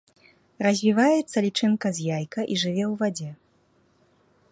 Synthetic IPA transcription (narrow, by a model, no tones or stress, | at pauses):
rɐzʲvʲivajɛt̪sːɐlʲit͡ʂɨnkɐzʲjajkɐʔiʐɨvʲɛwvad͡zʲɛ